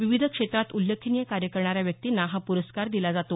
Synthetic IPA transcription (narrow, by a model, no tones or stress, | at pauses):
ʋiʋid̪ʱəkʂet̪ɾat̪ulːəkʰinijəkaɾjəkəɾɳaɾjaʋjəkkt̪iːnaɦapuɾəskaɾd̪ilad͡zat̪o